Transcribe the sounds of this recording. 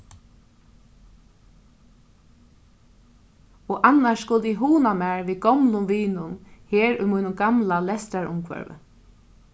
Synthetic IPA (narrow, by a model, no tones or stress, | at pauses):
ɔːʔanːaʃskʊlt̪ɪɦuːnamaɹʋiːɡɔmlʊmʋiːnʊnheːɹʊ̰jmujnʊmɡamlalɛst̪ɾaɹʊ̰mkʰʋœ̰ɹʋə̰